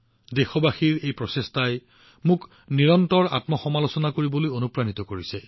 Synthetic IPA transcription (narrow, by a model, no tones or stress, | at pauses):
dexɔbaxiɹejpɹɔsestaj | mʊk | niɹɔntɔɹa̰tmɔxɔmalosɔnakoɹibolojonupɹanitɔkoɹisɛ